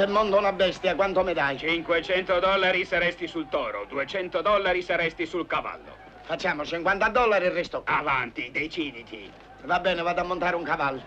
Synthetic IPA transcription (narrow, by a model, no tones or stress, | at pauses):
ɪmːɔnt̪unabːɛst̪jakwant̪omɪd̪ajt͡ʃiŋkwet͡ʃɛnt̪od̪ɔlːaɾisaɾɛst̪isult̪ɔːɾo̰d̪uet͡ʃɛnt̪od̪ɔlːaɾisaɾɛst̪isulkava̰lːʊ̰ | fat͡ʃːaːmʊt͡ʃiŋkwant̪ad̪ɔlːaɾirːɛst̪oavant̪id̪ejt͡ʃid̪it̪ḭ | vabːɛːnɪvad̪amːont̪aːɾɪuŋkavalːʊ